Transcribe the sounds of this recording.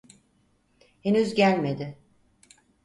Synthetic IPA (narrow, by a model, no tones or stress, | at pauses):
henyzɟælʲme̞d̪ɪ